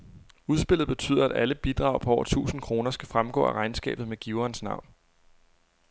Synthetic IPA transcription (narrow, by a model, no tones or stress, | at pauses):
uð̞ˠsb̥e̝l̰ð̩ˠb̥e̝t͡sʰy̰ːðˠɐæɾ̥æləb̥id̥ʁɑ̈ʊpʰɒ̽ɒ̰ʊɐt͡sʰṵːsn̩kʰʁo̝ːnɐsɡ̥æfʁamɡ̥ɔ̰̽ːæʁɑ̈ɪnsɡ̥ɛ̰ːb̥ð̞̩ˠmeɡ̥iʊɐnsnɑ̈ʊ̰n